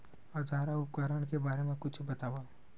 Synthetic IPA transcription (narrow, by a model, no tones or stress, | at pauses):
ɔːɾd͡ʒaːɾaʊpkaːɾəɽ̃kebaːɾemẽkʊt͡ʃʰbɐt̪aːʋa